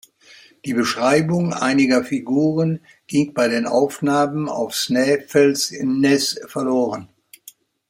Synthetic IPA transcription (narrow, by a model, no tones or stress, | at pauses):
d̥iːbəʃʁ̥aɪbʊŋʔa̰ɪnɪɡɐfiɡuːʁən | ɡ̥ɪŋb̥aɪdeːnʔa̰ʊfnaːməna̰ʊfsnɛːfɛlsɪ̰mnɛsfɛɐloːʁən